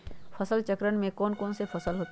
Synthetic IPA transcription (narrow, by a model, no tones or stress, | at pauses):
fʰɐsəlt͡ʃəkɾənmẽkɔːnkɔːnsepʰɐsəlɦoːt̪